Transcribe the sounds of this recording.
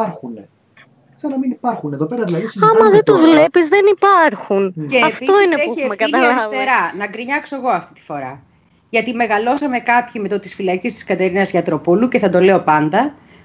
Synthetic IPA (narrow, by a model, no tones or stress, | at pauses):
ɐɾxune | ksɐnɐminipɐɾxuneðo̞pe̞ɾɐðilɐðisɐmɐðet̪uzvlepizðenipɐɾxunceɐːfpiosineeemekɐɐst̪eɾɐnɐkɾiɲɐkso̞eɣo̞ɐft̪i̥t̪i̥fo̞ɾɐ | ʝɐt̪ime̞ɣɐlo̞sɐme̞kɐpçime̞t̪ot̪isfilɐcist̪i̥skɐt̪e̞ɾinɐzʝɐt̪ɾo̞puluceθɐd̪o̞le̞o̞pɐnd̪ɐ